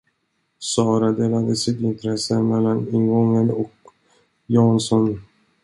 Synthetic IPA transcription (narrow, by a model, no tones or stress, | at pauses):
sɑːɾad̪eːlad̪əsɪt̪ɪnt̪ɾɛsːəmɛlːanɪŋɡɔŋːənɔk | jɑːnsɔn